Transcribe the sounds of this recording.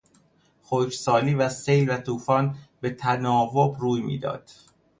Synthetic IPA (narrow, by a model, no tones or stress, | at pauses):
xocsɒːliːvæsejlvæt̪ʰuːfɒːnbe̞t̪ʰænɒːvobruːjmḭːd̪ɒ̰ːd̪̥